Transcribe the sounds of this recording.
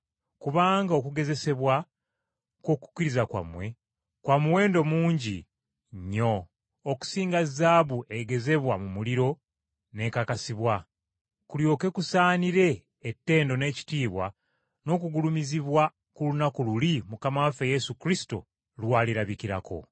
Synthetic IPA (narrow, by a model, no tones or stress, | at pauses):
kuβaːŋɡao̞kuɡe̞ze̞se̞βwa | ko̞ku̥kiɾizakwa̰mwe̞ | kwamuwe̞ːndo̞muːɲɟi | ɲːo̞ | oku̥siːŋɡazaːβue̞ɡe̞ze̞βwamumuliɾo̞ | ne̞ːkakasiβwa | kuljo̞ːke̞kusaːniɾe̞ː | tːe̞ːndo̞ne̞ːci̥tiːβwa̰ | no̞ːkuɡulumiziβwa | kulunakululimukamafeje̞sukɾisi̥to̰ | lwaːliɾaβikiɾa̰ko̞̰